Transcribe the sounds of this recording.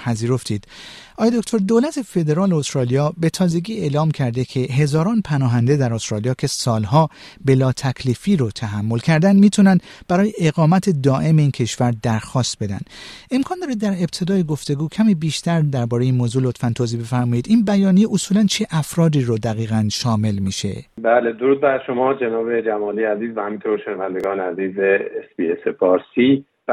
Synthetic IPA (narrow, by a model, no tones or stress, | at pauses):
pʰæziːɾo̞ft̪ʰiːd̪ʔɒːjed̪okʰt̪ʰo̞ɾd̪olæt̪ʰe̞fe̞d̪e̞ɾɒːleost̪ɾɒːlijɒːbe̞t̪ʰɒːze̞ɡiːe̞ːlɒːmcʰæɾd̪ekʰe̞ɦe̞zɒːɾɒːnpʰænɒːɦænd̪e̞d̪æɾost̪ɾɒːlijɒːcʰe̞sɒːlɦɒː | be̞lɒːt̪ʰækʰliːfiːɾot̪ʰæɦæmːo̞lkcʰæɾd̪ænd̪miːt̪ʰunænd̪b̥æɾɒːjeʔeɣɒːmæt̪ʰed̪ɒːʔe̞meiːncʰe̞ʃvæɾd̪æɾxɒːst̪̚be̞d̪æ̰nd̪e̞mkʰɒːnd̪ɒːɾid̪ːæɾe̞b̚t̪ʰe̞d̪ɒːjeɡo̞ft̪e̞ɡuːcʰæmiːbiːʃt̪æɾd̪æɾbɒːɾejiːnmoːzuːlo̞t̪fænt̪ʰoziːbe̞fæɾmɒːjiːd̪ʔiːnbæjɒːnijeʔosuːlænt͡ʃʰeʔæfɾɒːd̪iːɾod̪æɣiːɣænʃɒːme̞lmiːʃe̞̰bæːled̪oɾuːd̪̚bæɾʃomɒːd͡ʒenɒːbe̞d͡ʒæmɒːliːæziːzvæhæmĩnt̪ʰoɾʃenævænd̪eɡɒːneæziːzeesb̥iesefɒːɾsiː